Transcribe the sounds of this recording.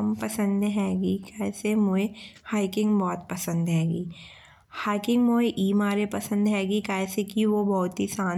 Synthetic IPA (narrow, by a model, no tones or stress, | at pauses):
mpɐsə̃nd̪ɦɛːɡikɛːsemʊehaːɪkɪ̃ŋɡbɔːt̪pɐsə̃nd̪ɦɛːɡiː | haːɪkɪ̃ŋɡmoːeʔiːmaːɾepɐsə̃nd̪ɦɛːɡikɛːsekiʋobɔːʊt̪ɦisaːn